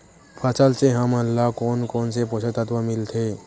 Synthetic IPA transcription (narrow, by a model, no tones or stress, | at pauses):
pʰat͡salt͡seɦãmalːakɔnkɔnsepɔsət̪at̪ʋamilt̪ʰe